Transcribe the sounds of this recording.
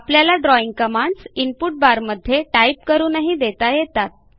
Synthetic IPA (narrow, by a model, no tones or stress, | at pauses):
apljalaɖɾɔiŋɡ̚kəmaɳɖsinpuʈ̚baɾməd̪ʱːjeʈaip̚kəɾuːnaɦid̪et̪ajet̪at̪̚